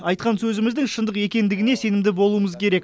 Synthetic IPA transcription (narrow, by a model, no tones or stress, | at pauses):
ɑjt̪̚qɑnsɵzɪmɪzd̪ɪŋʃənd̪əqe̞kʲe̞nd̪ɪɡʲɪne̞se̞nɪmd̪ɪbo̞lˠuəməzkʲʰe̞ɾe̞k